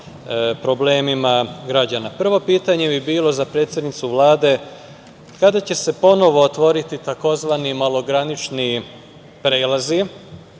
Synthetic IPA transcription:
pɾo̞bleːmimaɡɾad͡ʑanapr̩ʋo̞piːt̪aɲe̞bibiːlo̞zapɾe̞ːt̪sjed̪nit̪suʋlaːd̪e̞ | kad̪at͡ɕe̞se̞po̞no̞ʋoːt̪ʋo̞ɾit̪it̪ako̞zʋanimalˠo̞ɡɾanit͡ʃni | pɾe̞ːlazi

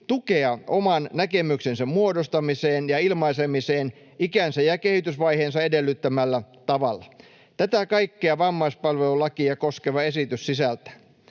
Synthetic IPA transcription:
t̪ukeɑʔomɑnnækemyksensæmmuodost̪ɑmiseːnjɑilmɑisemiseːn | ikænsæjɑkehit̪ysʋɑiheːnsɑedelːyt̪ːæmælːæ | t̪ɑʋɑlːɑ | t̪æt̪ækɑikːeɑʋɑmːɑispɑlʋelulɑkiɑkoskeʋɑesit̪yssisælt̪æ̥

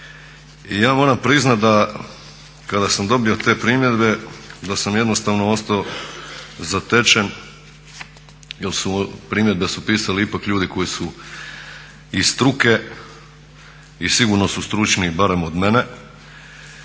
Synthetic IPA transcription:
ijaːmo̞ːɾampɾiznat̪d̪a | kad̪asamd̪o̞bijo̞t̪e̞ːpɾiːmje̞d̪be̞d̪asamjed̪no̞st̪aʋno̞o̞st̪ao | zat̪e̞t͡ʃen | jelˠsupɾiːmje̞d̪̚be̞supiːsaliipakʎuːd̪iko̞jisu | ist̪ɾuke̞ | isiɡuɾno̞sust̪ɾut͡ʃnibaɾe̞mo̞d̪me̞ne̞

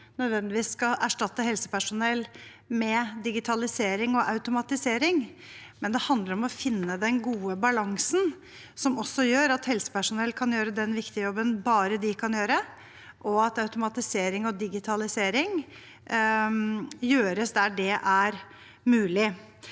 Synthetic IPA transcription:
nœd̪ʋɛnt̪ɪʋiːsːkɑæʂʈɑt̪ːəɦɛlsə̥pæʂʊnɛl | mɛd̪ɪɡɪt̪ʰɑlɪseːɾɪŋɔʔɑʉt̪ʊmɑt̪ɪseːɾɪŋmɛnd̪ɛhɑnd̪ləɾɔmɔfɪnːəd̪ɛnɡuːəbɑlɑŋsn | sɔmɔsːɔjøːɾɑt̪hɛlsə̥pæʂʊnɛlːkʰɑnjøːɾəd̪ɛnʋɪkt̪ɪəjɔbːənbɑːɾəd̪ɪkʰɑnjøːɾə | ʔɔɑt̪ɑʉt̪ʊmɑt̪ɪseːɾɪŋɔd̪ɪɡɪt̪ʰɑlɪseːɾɪŋ | jøːɾəsd̪æɖɛʔæɾ | mʉːlɪ

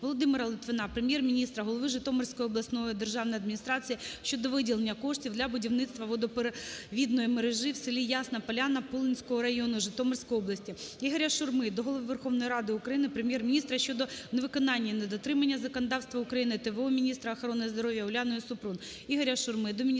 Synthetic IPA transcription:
ʋɔlˠɔd̪ɪmɪɾɐlˠɪt̪ʋɪnɑpɾemʲjɛrmʲinʲist̪ɾɐɦɔlˠɔʋɪʒɪt̪ɔmɐrsʲkɔjɔblˠɐsnɔjid̪erʒɑwnɔjɐd̪mʲinʲist̪ɾɑt͡sʲijiʃt͡ʃːɔd̪ɔʋɪdʲilˠenʲːɐkɔʂtʲiwd̪lʲɐbʊdʲiwnɪt̪st̪ʋɐʋɔd̪ɔpʋʲid̪nɔjimeɾeʒɪwsɪlʲijasnɐpɐlʲanɐpulˠinʲsʲkɔɦɔɾɐjonʊʒɪt̪ɔmɐrsʲkɔjɔblˠɐsʲtʲiiɦɐɾʲɐʃʊrmɪd̪ɔɦɔlˠɔʋɨʋerxɔʋnɔjiɾɑd̪ɪʊkɾɐjinɪpɾemʲjɛrmʲinʲist̪ɾɐʃʲt͡ʃːɔd̪ɔneʋɪkɔnɑnʲːɐnɐd̪ɔt̪ɾɪmɐnʲːɐzɐkɔnɐd̪ɑwst̪ʋɐʊkɾɐjinɪt̪ɛʋɛɔmʲinʲist̪ɾɐːxɔɾɔnːɪjizd̪ɔɾɔʋʲjɐʊlʲanɔjisʊpɾun | iɦɐɾʲɐʃʊrmɪd̪ɔmʲ

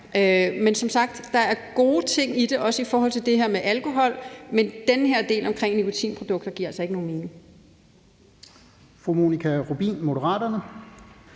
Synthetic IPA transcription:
ʔømensɒ̽msɑ̈ɡ̥d̥ːɑ̈æɐɡ̥o̝ːt͡sʰe̝ŋ̰id̥e̝ʔɒ̽səifɒːɦɒ̽l̰t͡sʰe̝ld̥e̝ɦeɐ̰meʔælkʰo̝ɦɒ̽l̰mend̥enəɦeɐd̥e̝̰ːlɒ̽mkʰʁeŋ̰nikʰo̝t͡sʰḭːnpʰʁo̝d̥ɔ̽ɡ̥̚d̥ɐɡ̥ḭɐ̰ælsɒe̝ɡəno̝ːnme̝ːne̝ŋ | fʁumo̝nikʰæʁub̥ḭːnmo̝dəʁɑ̰̈ːdɐnə

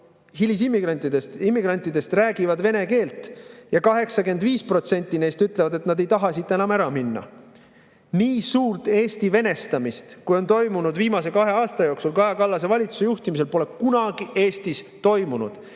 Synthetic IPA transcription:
ɦilʲis̬imːiɡ̥rɑnʲt̪id̪est̪imːiɡ̥rɑnʲt̪ˑːid̪e̞st̪ræːɡivɑd̪ve̞ne̞ke̞ːlt̪ˑjɑkɑɦe̞ksɑke̞nd̪viːspro̞t̪se̞nʲt̪ˑːine̞ːst̪yt̪ːˑlevɑd̪e̞t̪nɑd̪e̞jt̪ɑɦɑsit̪ːˑe̞nɑmæɾɑminːɑ̰ | niːsuːrt̪e̞ːst̪ive̞ne̞st̪ɑmist̪kujo̞nt̪o̞jmunud̪viːmɑse̞kɑɦe̞ɑːst̪ɑjo̞ːksulkɑjɑkɑlːɑse̞vɑlʲit̪su̥se̞juht̪imis̬e̞lpo̞le̞kunɑɡ̥iʔe̞ːst̪is | t̪o̞jmunṵd̪̥

